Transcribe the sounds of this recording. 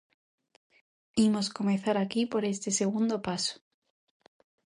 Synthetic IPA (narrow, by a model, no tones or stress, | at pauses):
imo̞sko̞mẽθaɾakipo̞ɾe̞st̪eseɣ̞und̪opaso̥